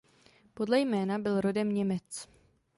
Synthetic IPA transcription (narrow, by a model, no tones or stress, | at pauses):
po̞dlɛjmɛːnabɪlɾo̞dɛmɲɛmɛt͡s